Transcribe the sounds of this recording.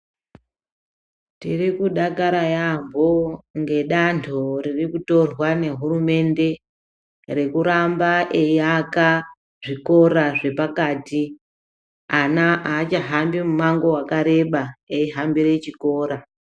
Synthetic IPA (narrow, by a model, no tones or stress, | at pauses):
tirikuɗakaɾajambo̞ŋɡe̞ɗantʰoririkuto̞rwane̞ɦurume̞nde̞ | re̞kuɾambaʔeiaka | ʐiko̞ɾaʐe̞pakaːti | anaaːt͡ʃaɦambimumaŋɡo̞wakaɾe̞ɓaeiɦambiɾe̞t͡ʃiko̞ːɾa